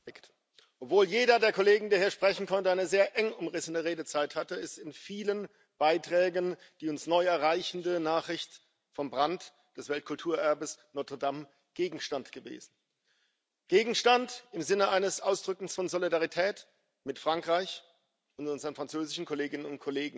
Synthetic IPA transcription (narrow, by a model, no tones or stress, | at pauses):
kt | ʔɔpv̥oːljeːɾɐdeːɐkʰoleːɡŋ̩deːɐhiːɐʃpʁ̥ɛçn̩kʰɔntəaɪnəzeːɐʔɛŋʊmʁɪsənəʁeːdət͡saɪthatəɪstɪnfiːlən | b̥aɪtʁ̥ɛːɡən | d̥iːʊnsnɔʏɛɐʁaɪçn̩dənaːχʁ̥ɪçt | fɔmbʁant | d̥ɛsv̥ɛlt̚kʰʊltʰuːɐʔɛɐbəsnɔɐtədam | ɡ̥eːɡŋ̩ʃtantɡ̥əvḛːzn̩ | ɡ̥eːɡŋ̩ʃtantɪmzɪnəʔaɪnəsʔaʊsd̥ʁʏkŋ̩sfɔnzolidaʁitʰɛːt | mɪtfʁ̥aŋkʁ̥aɪç | ʊntʔʊnzəʁənfʁ̥ant͡søːzɪʃn̩kʰoleːɡɪnənʊnt̚kʰoleːɡŋ̩